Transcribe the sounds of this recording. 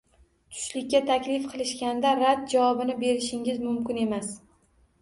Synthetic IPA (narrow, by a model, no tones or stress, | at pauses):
t̪ʰʊ̥ʃlɪkʲːat̪ʰakʲlɪfqʰɨlˠɪʃkʲand̪aɾad̪̚d͡ʒavɒbɪnɪbe̞ɾɪʃɪŋʲɪzmʊmkʲɪne̞mas